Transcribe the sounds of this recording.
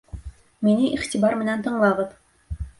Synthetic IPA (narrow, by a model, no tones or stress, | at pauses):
minɘʔiχt̪ibɑɾmɘ̆nænt̪ɤ̆ɴlˠɑʁɤð